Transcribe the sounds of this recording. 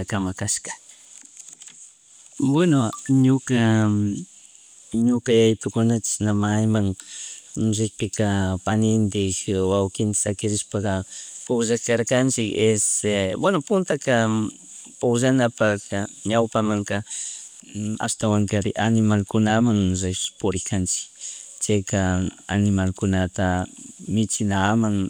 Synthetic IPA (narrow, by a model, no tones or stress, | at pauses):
akamakaʃkḁ | wenoɲʊka | ɲʊkajajt̪ʊkʊnat͡ʃ̪ɪ̥snamajmaŋ | ʒɪk̚pɪkapanɪnd̪ɪkwawkɪnt̪ḁsakɪɾɪʃpakapʊʒakaɾkant͡ʃɪkeswanʊpʊnt̪aka | pʊʒanapakaɲawpamaŋka | a̰st̪awaŋkaɾɪʔanɪmalkʊnamaŋʐepʊɾɪkant͡ʃɪ̥kt͡ʃakaa̰nɪmalkʊnat̪amɪt͡ʃɪnamaŋ